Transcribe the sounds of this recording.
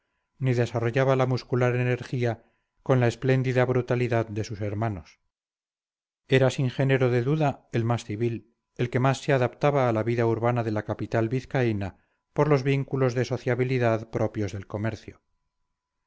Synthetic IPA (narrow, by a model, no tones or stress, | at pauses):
niðe̞saro̞ʝaβalamuskulaɾene̞ɾxia | ko̞nlae̞sple̞nd̪iðaβɾut̪aliðaðd̪e̞suse̞ɾmano̞s | e̞ɾasiŋxe̞neɾoðe̞ðuðae̞lmasθiβil | e̞lke̞masːeaðapt̪aβaːlaβiðauɾβanaðe̞lakapit̪alβiθkaina | po̞ɾlo̞zβiŋkulo̞zðe̞so̞θjaβiliðaðpɾʔo̞pjo̞zðe̞lko̞meɾθjo